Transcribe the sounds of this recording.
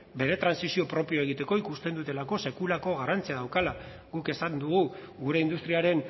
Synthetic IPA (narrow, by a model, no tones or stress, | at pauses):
be̞ɾe̞t̪ɾansisio̞pɾo̞pio̞e̞ɣ̞it̪e̞ko̞ikust̪e̞nd̪ut̪e̞lako̞se̞kulako̞ɣ̞arant͡siaðawkala | ɣuke̞sand̪uɣuɣuɾe̞ind̪ust̪ɾiaɾe̞n